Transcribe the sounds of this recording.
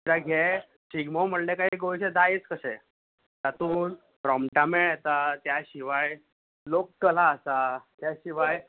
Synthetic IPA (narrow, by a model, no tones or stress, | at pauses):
ɾaɡʱɛ | ɕiɡmɔm̤əɽlekaɦiɡojɕɛd̪aet͡skəsɛ̰ | t̪at̪uːn | pɾɔmʈameɛt̪at̪jaɕiʋaj | lokkəlaːsat̪jaɕiʋaj